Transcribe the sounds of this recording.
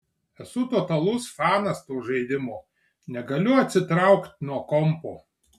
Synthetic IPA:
ɛsʊt̪ɔːt̪ɐlˠʊsfɑːnɐst̪uːʒɐɪd̪ʲɪmoː | nʲɛɡɐlʲʊɐt̪ʲsʲɪt̪ɾɑˑʊkt̪ʲnuɔkɔmpoː

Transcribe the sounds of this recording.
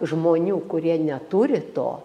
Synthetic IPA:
ʒmoːnʲuːkʊɾʲiɛnʲɛt̪ʊɾʲɪt̪o̰ː

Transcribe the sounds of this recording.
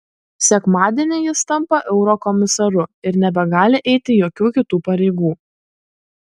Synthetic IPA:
sʲɛkmɑːd̪ʲiɛnʲɛjɪst̪ɐmˑpɐʔɛʊɾoːkɔmʲɪsɐɾʊɪɾnʲɛbʲɛɡɑːlʲɪʔɛɪt̪ʲɪjoːkʲuːkʲɪt̪uːpɐɾʲɛɪɡuː

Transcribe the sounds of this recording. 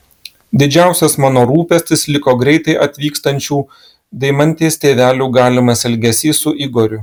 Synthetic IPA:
d̪ʲɪd͡ʒʲæˑʊsʲɛsmɑːnoːɾuːpʲɛsʲt̪ʲɪslʲɪkoːɡɾʲɛɪt̪ɐɪʔɐt̪ʲʋʲiːkst̪ɐnʲt͡ʃʲuː | d̪ʲɛɪmɐnʲt̪ʲeːst̪ʲeːʋʲæːlʲuːɡɑːlʲɪmɐsʲɛlʲɡʲɛsʲiːsʊʔɪɡoːɾʲʊ

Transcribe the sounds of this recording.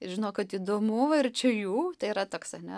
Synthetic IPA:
ɪʒʲɪnoːkɐt̪iːd̪oːmuːɪɾt͡ʃʲɛjuːt̪ɐɪiɾɐt̪oːksɐnʲɛ

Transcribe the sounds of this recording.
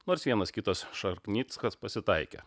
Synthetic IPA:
noːɾsʋʲiɛnɐskʲɪt̪ɐsʃɐɾknʲiːt̪skɐspɐsʲɪt̪ɐɪkʲɛ̰

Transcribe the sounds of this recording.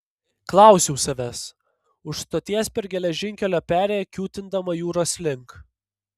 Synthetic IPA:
klˠɑˑʊsʲuʊsɐʋʲɛs | ʊʃst̪oːt̪ʲiɛspʲɛɾɡʲɛlʲɛʒʲɪŋʲkʲɛlʲoːpʲæːɾʲeːjɛkʲuːt̪ʲɪnd̪ɐmɐjuːɾoːsʲlʲɪŋk

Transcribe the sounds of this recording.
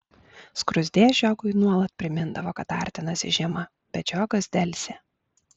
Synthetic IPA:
skɾʊzʲd̪ʲeːʒʲɔːɡʊɪnuɔlˠɐt̪̚pʲɾʲɪmʲɪnd̪ɐʋoːkɐt̪ɑ̰ːˑɾʲt̪ʲɪnɐsʲɪ̰ʒʲɛmɐ | bʲɛd͡ʒʲoːɡɐsd̪ʲɛlʲsʲɛ

